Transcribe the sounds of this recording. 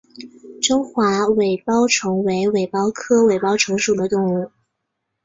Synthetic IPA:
ʈ͡ʂʊ˥ŋxwa˧˥we˨˩ɪpɑ˥ʊʈ͡ʂʰɤ˧˥ŋwe˧˥ɪwe˨˩ɪpɑ˥ʊkʰɤ˥we˨˩ɪpɑ˥ʊʈ͡ʂʰɤ˧˥ŋʂu˨˩d̪ə˦t̪ʊ˨˩ŋu˥˩

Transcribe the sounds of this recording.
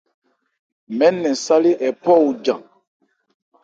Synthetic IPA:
mɛ˦nːɛ̃˨sa˦li˦ʔɛ˨pɔ˦u˨d͡ʒã˨

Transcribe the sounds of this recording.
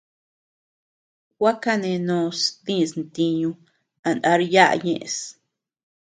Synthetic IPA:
wa˦ka˦nẽ˧nõ˧sðĩ˦˨snt̪i˧ɲũ˧ | a˨na˦ɾja˦ʔa̰˧ɲẽ˦ʔe˧s

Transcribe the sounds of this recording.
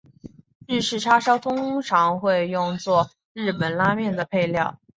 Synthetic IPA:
ɻ̩˥˧ʂɻ̩˥˩ʈ͡ʂʰa˥ʂɑ˥ʊt̪ʰʊ˥ŋʈ͡ʂʰɑ˧˥ŋxwe˥˧ɪjʊ˥˧ŋt͡swɔ˥˧ | ɻɻ̩˥˩pə˨˩nla˥mjɛ˥˩nd̪ə˩pʰe˥˧ɪljɑ˥˩ʊ

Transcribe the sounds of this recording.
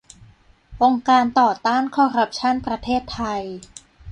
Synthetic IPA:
ʔo˧ŋkaː˧nt̪ɔː˨˩t̪aː˥˩nkʰɔː˧ɾa˦˥p̚t͡ɕʰa˥˩npɾa˧t̪ʰeː˥˩t̪ʰːa˧j

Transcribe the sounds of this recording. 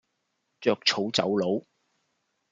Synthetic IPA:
t͡ʃœː˨˧k̚t͡ʃʰo˨˥wt͡sɐ̰˨˥wlo˨˧˥w

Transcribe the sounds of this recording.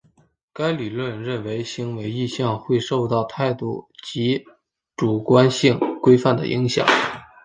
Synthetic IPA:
ka˥ɪli˨˩lwə˥˧nɻə˥˩nwe˧˥ɪɕi˧˥ŋwe˧˥ɪi˥˧ɕjɑ˥˧ŋxwe˥˧ɪʂo˥˧ʊt̪ɑ˥˧ʊt̪ʰa˥˧ɪt̪u˥˩t͡ɕi˧˥ | ʈ͡ʂu˨˩kwa˥nɕi˥˩ŋkwe˥ɪfa˥˩nd̪ə̰˩ʔḭ˧˥ŋɕjɑ̰˨˩˦ŋ

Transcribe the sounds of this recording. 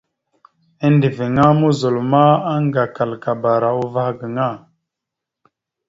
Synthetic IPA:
ə˦ndi˨vi˨ŋa˦mu˦zu˨lma˦a˦ŋɡa˨ka˨lka˨ba˨ɾa˨u˦va˦ɡə˨ŋa˦˨

